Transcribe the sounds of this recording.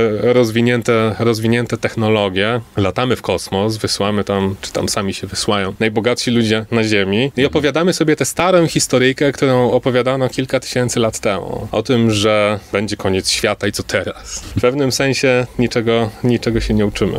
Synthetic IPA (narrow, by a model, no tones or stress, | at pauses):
ɾɔzvʲiɲɛnt̪ɛɾɔzvʲiɲɛnt̪ɛt̪ɛxnɔlɔɡʲjɛlat̪amɘfkɔsmɔsvɘswamɘt̪amt͡ʂɘ̥t̪a̰msamʲiɕɛvɘswajɔ̃w̃najbɔɡat̪ʂilud͡ʑɛnaʑemʲiiɔpɔvʲjad̪amɘsɔbʲjɛt̪ɛst̪aɾɔ̃w̃xʲist̪ɔɾɘjkɛk̚t̪uɾɔ̃w̃ɔpɔvʲjad̪anɔkʲilkat̪ɘ̥ɕɛnt̪sɘlat̪ːɛmṵɔ̰t̪ɘmʐɛbɛɲd͡ʑɛkɔɲɛt̪sɕfʲjat̪aitsɔt̪ʰɛɾasfpɛvnɘmsɛ̃ɲ̃ɕɛɲit͡ʂɛɡɔɲit͡ʂɛɡɔɕɛɲɛut͡ʂɘmɘ̰